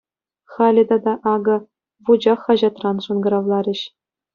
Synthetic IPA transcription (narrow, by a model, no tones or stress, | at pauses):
χɑlʲɘ̆d̪ɑd̪ɑʔɑɡɤ̆ | ʋud͡ʑɑχːɑʑɑt̪rɑnʂɤ̆nɡɤ̆ɾɑʋlˠɑɾʲɘ̆ɕ